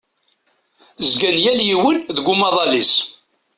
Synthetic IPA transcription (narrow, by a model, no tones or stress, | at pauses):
zɡænjæljiwənðəɡʷʊmɑðˤɑlis